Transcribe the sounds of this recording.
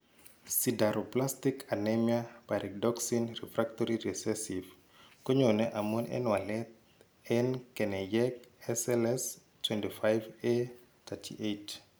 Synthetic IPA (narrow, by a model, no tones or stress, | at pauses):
sidaɾoplastikʰanɛmjapaɾʔɛk̚dɔksinrɛfɾak̚toɾiɾɛsɛsiv | koɲonɛʔamonɛ̰nwalɛt̪̚ | ɛnkɛnɛjɛkɛsɛlɛs | twɛntifajve | t̪ʰatʰḭʔet